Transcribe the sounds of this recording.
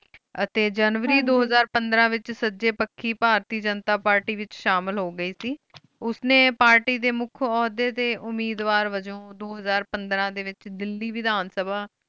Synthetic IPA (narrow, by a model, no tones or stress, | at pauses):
ət̪eːd͡ʒənʋəɾiːd̪oːɦəzaːɾpənd̪ɾãːʋɪt͡ʃsəd͡ʒeːpəkʰːiːpaːɾt̪iːd͡ʒənt̪aːpaːɾʈiːʋɪt͡ʃʃaːmɪlɦoːɡəiːsiː | ʊsnẽːpaːɾʈiːd̪eːmʊkʰɔːd̪eːt̪eːʔʊmiːd̪ʋaːɾʋəd͡ʒõːd̪oːɦəzaːɾpənd̪ɾãːd̪eːʋɪt͡ʃd̪ɪlːiːʋɪd̪aːnsəbʱaː